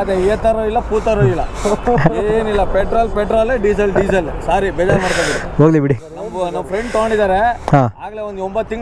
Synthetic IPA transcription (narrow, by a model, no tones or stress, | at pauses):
ɐd̪eet̪ɐɾoilːɐpuːt̪ɐɾoilːɐ | eːnilːɐpeʈɾaːlpeʈɾaːleːɖisɐlɖid͡ʒɐlsaːɾibɛːd͡ʒaːɾmaːɽkobiɾiɦoːɡlibiɽinɐmːnɐʋːɐpʰɾeɳɖt̪oɡoɳɖid̪aːɾehaːaːɡɐleːond̪uombɐt̪ːiŋɡ